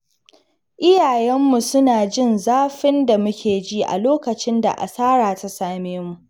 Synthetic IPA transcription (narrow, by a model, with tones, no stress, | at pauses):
ʔɪ˦jaː˨jɛ˦mːu˨sʊ˦naː˨d͡ʒɪ˦˨nzaː˦ɸɪ˦nda˨mʊ˦kʲeː˨d͡ʒi˦ʔa̰˨loː˦kɐ˨t͡ʃɪ˦nda̰˨ʔa̰˨saː˦ɽaː˨ta˦saː˦meː˦mu˨ʔ